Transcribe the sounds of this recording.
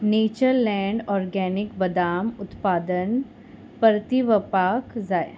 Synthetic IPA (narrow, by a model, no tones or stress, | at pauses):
neːt͡ʃəɾlɛ̃ːɳɖɔːɾɡɛːnɪkbɐd̪aːmʊt̪paːd̪ən | pəɾt̪iʋəpaːkzaːj